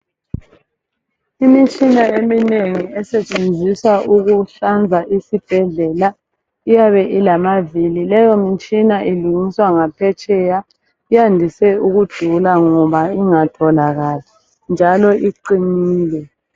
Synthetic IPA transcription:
imit͡ʃʼinaemineŋiɛsɛt͡ʃʼend͡zʱiswaʔuɣuɬand͡zʱaʔisib̥ʱɛɮɛla | ijaβɛʔilamavililɛjɔmit͡ʃʼinaʔiluŋiswaŋapʰɛt͡ʃʼɛja | ijandʱisɛuɣud̥ʱulaŋɔβaiŋatʰɔlaɣaːɬɛ̥ | nd͡ʒʱalɔʔiǃiniːlɛ

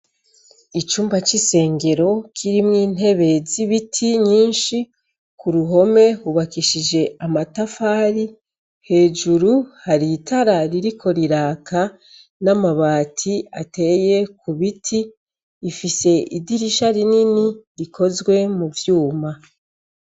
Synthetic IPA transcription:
it͡ʃuːmbat͡ʃise̞ːŋɡe̞ɾo̞kʰiɾimŋiːn̥ɦe̞βe̞ziβitʰiɲiːnʃi | kuɾuɦo̞me̞huβakiʃid͡ʒe̞amatafaːɾi | he̞ːd͡ʒuɾuhaɾitʰaɾaɾiɾikʰo̞ɾiɾaːkʰa | namaβaːtʰiate̞je̞kuβitʰiː | fise̞ʔidiɾiʃaɾininiɾikʰo̞zɡwe̞muvjuːma

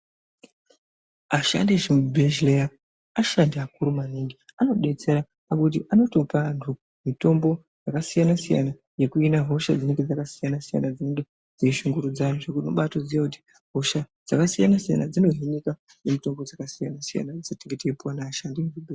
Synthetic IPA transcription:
aʃa̰ndeʐemubʱeʒlea | aʃandiakuɾumaniŋɡiano̞ɗe̞t͡se̞ɾa | pakut̬iʔano̞topantʰu | mito̞mbo̞ | jakasijanasija̰na | je̞kuinaɦo̞ʃa̰d͡zineŋɡe̞d͡zakasijanasija̰nad͡zineŋɡe̞ | d͡zeiʃuŋɡuɾud͡zajoʐekuno̰ɓatod͡zijakuti̥ | ɦo̞ʃad͡z̥akasijanasija̰nad͡zino̞ɦinika | jemito̞mbo̞d͡zakasija̰nasija̰nad͡zatiŋɡeteipuwanaːʃandimuubʱe

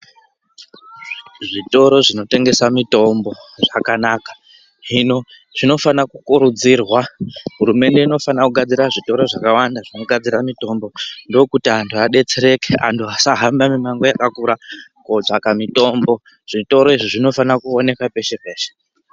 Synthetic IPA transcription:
ʐito̞ɾo̞ʐino̞te̞ŋɡe̞samito̞mbo̞ʐakanakḁ | ɦino̞ | ʐ̥ino̞fanakukuɾud͡zirwaɦuɾume̞nde̞ino̞fanakuɡʱad͡ziɾaʐito̞ɾo̞ʐakawandaʐino̞ɡʱad͡ziɾamito̞mbo̞ndo̞kutiantʰuaɗe̞t͡seɾe̞kea̰ntʰuasaɦambamimaŋɡo̞jakakuɾakod͡zakamito̞mbo̞ | ʐ̥ito̞ɾo̞iʐiʐino̞fanakuone̞kape̞ʃe̞peːʃe̥

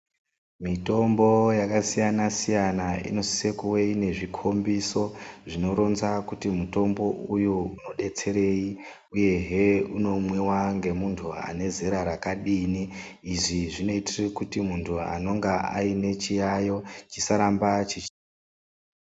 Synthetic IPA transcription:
mito̞mbo̞jakasijanasijanaḭno̞si̥sekuweine̞ʐikʰo̞mbiso̞ʐino̞ɾo̞nzakutimuto̞mbo̞ʔujuuno̞ɗe̞t͡se̞ɾe̞i | uje̞ɦe̞uno̞mwewaŋɡe̞muntʰua̰ne̞ze̞ɾaɾakaɗiniːʐiʐino̞itirekutimuntʰua̰no̞ŋɡaʔa̰ine̞t͡ʃijajo̞t͡ʃisaɾambat͡ʃit͡ʃ

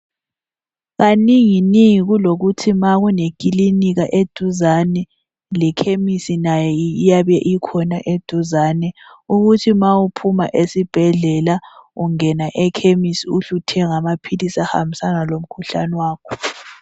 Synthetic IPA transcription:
ɣaniŋiniŋiɣuloɣutʰimaɣunek̬ʼiliniɣaʔed̥ʱuzanɛ | lɛkʰemisinajɛijaβɛʔikʰɔnaʔed̥ʱuzaːnɛuɣutʰimaupʰuma̰ʔesib̥ʱɛɮɛlauŋɛnaʔɛkʰemisiuɬutʰɛŋamapʰilisaha̰mbʱisanalom̩kʰuɬa̰nɛwaːkʰɔ̥

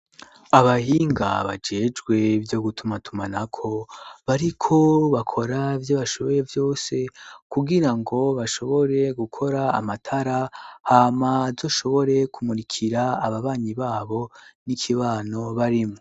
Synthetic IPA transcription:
aβahiːŋɡa̰βa̰d͡ʒe̞d͡ʒɡwe̞vjo̞ɡutʰumatʰumanakʰo̞βaɾikʰo̞βakʰo̞ɾavjoβaʃo̞βo̞ɾe̞vjo̞ːse̞kuɡiɾaŋɡo̞βaʃo̞βo̞ɾe̞ɡukʰo̞ɾa̰ːmatʰaɾahaːmazo̞ʃo̞βo̞ɾe̞kʰumuɾikʰiɾaːβaβaːɲiβaːβo̞nikʰiβaːno̞βaɾimŋo

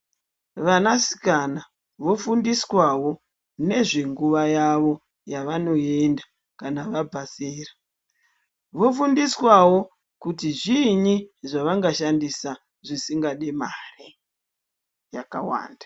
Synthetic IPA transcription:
ʋanasi̥kana | ʋo̞fundiswawo̞ | ne̞ʐe̞ŋɡuʋajaʋo̞ | jaʋano̞e̞nda | kanaʋabʱaseːra | ʋo̞fundiswawo̞ | kutiʐiɲiʐaʋaŋɡaʃandisa | ʐisiŋɡaɗemare | jakawa̰ːnda

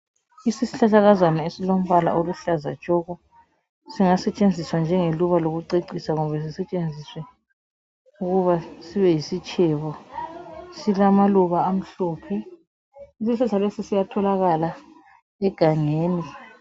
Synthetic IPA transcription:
isisiɬaɬaɣazwanaesilom̩βala̰oluɬaza̰̥t͡ʃʼɔɣɔ | siŋasɛt͡ʃʼend͡zʱiswand͡ʒʱɛŋeluβaloɣuǀeǀisaŋɔβɛs̬isɛt͡ʃʼend͡zʱiswɛ | uɣuβasiβɛjisit͡ʃʰʼɛβɔ | silamaluβaːm̩ɬɔːpʰɛ | isisɛɬalesisijatʰɔlaɣala | ɛɡ̥ʱaŋeːni

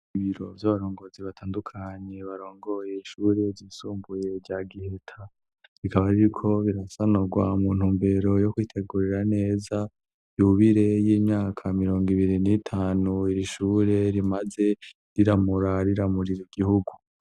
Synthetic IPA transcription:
iβiɾo̞̰vjaβaɾo̞ːŋɡo̞ːziβatʰaːndukʰaɲe̞βaɾo̞ːŋɡo̞jeiʃuːɾe̞zisuːmbuje̞ɾɟaːɡihe̞tʰa | ɾikʰaβaɾiɾikʰo̞βiɾasanoɡwamuːn̥huːmbe̞ɾo̞jo̞kwiːtʰe̞ɡuɾeɾane̞ːza | juβiɾe̞jiːmɲaːkʰamiɾo̞ːŋɡiβiɾinitʰaːnuiɾiʃuːɾe̞ɾimaze̞ | ɾiɾamuɾaɾiɾamuɾiɾiɡ̥ihuɡu

